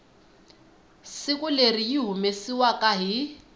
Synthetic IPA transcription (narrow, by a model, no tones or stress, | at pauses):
sɪkʼuleriiɦumesiwakʼaɦi